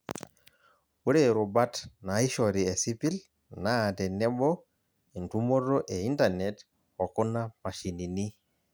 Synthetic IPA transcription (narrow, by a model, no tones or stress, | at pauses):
wuɾɛɾubatnaiʃɔɾiesipil | natɛnɛbɔ | intumɔdɔʔɛintanɛt | ɔkunamaʃinini